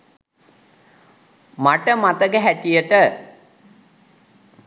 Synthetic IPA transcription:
maʈəmat̪əkəɦæʈijəʈə

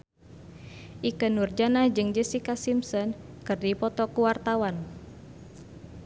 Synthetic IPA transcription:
ʔikənurd͡ʒanad͡ʒɨŋd͡ʒəsikasimsɔn | kɨrdipɔt̪ɔkuwart̪awan

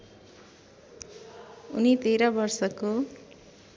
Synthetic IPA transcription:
unit̪eɾʌbʌrsʌko

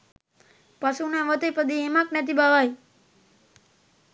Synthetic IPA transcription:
pasũnẽʋət̪epəd̪iemãknɛt̪ibaʋaj

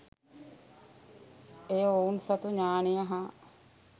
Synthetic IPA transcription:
eːounsɐt̪uɲaːnejɐɦa

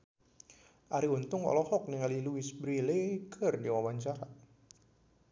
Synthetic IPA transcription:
ʔaɾiunt̪ʊŋɔ̰lɔhɔk̚niŋaliluisbɾilekʰərdiwawaɲt͡ʃaɾa

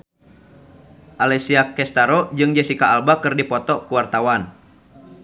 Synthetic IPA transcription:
ʔalɛsiakɛst̪aɾɔd͡ʒɨŋd͡ʒɛsikaːlbakɨrdipɔt̪ɔkuwart̪awan

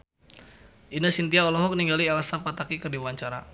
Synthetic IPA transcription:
ʔinasint̪iaɔlɔɦɔk̚niŋɡalialasapat̪akikɨrdiwaɲt͡ʃaɾa̰

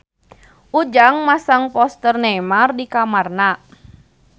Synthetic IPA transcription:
ʔud͡ʒaŋmasaŋpɔst̪ərnɛmardikamarna

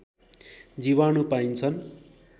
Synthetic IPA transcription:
d͡ziwanupaint͡sʰʌn

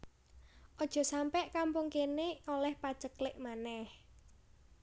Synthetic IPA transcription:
ʔɔd̥ʒ̥ɔ̤sampɛʔkampʊŋkeneolɛhpḁt͡ʃəklɪʔmanɛh

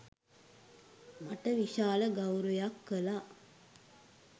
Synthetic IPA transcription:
maʈəʋiʃaːləɡawɾujakːəla

